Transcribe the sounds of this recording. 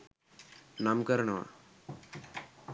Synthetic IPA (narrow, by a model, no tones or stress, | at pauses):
namkəɾɳʋa̰